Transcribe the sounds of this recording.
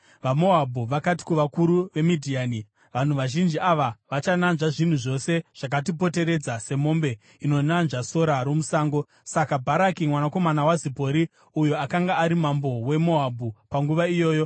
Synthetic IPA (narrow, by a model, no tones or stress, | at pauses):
ʋamo̞ɦabʱuʋakati̥kuʋakuɾuʋe̞midʱiaːni | ʋan̤uʋaʒind͡ʒiaʋaʋat͡ʃananʐaʐin̤uʐo̞se̞ʐ̥ak̬atipo̞te̞ɾe̞d͡zase̞mo̞ːmbe̞ | ino̞nanʐaso̞ɾaɾo̞musaːŋɡo̞ | sakabʱaɾakimwanako̞manawazipo̞ɾi | ujoakaŋɡaːɾimambo̞we̞mo̞ɦabʱupaŋɡuʋaijo̞ːjo̞